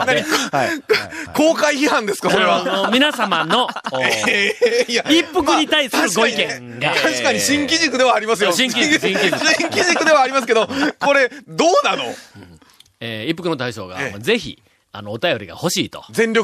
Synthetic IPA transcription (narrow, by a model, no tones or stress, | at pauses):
naɲ | ko̞ːkaiçihãnd̪e̞sɨ̥kassoɾeβamʲinasamano̞ | jaippːɯkɯ̟ɲit̪aisɨɾɯɡoikẽ̞ŋ | ɡat̪aɕi̥kaɲiɕĩŋkʲiʑikɯd̪e̞βaːɾʲimas̬ɨjoɕĩŋk̬ʲiĩkʲiĩŋkʲiʑikɯ̟d̪e̞βaːɾʲimas̬ɨ̥ke̞d̪o̞ko̞ɾe̞d̪oːnanõ̰ | eːipːɯkɯno̞t̪aiɕo̞̰ːɡa̰moze̞çḭ | a̰no̞ːt̪ajo̞ɾʲiɡa̰ho̞ɕḭːt̪o̞̥̰zẽ̞nɾʲok